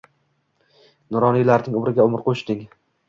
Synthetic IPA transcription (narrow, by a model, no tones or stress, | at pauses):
nʊɾɒnijlaɾnɪŋʊmɾɪɡʲaʊmɪɾqʰoʃt̪ɪŋ